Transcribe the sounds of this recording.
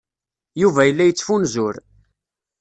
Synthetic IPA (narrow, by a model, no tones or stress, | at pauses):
juvæjəlːæjət͡sːfunzʊɾ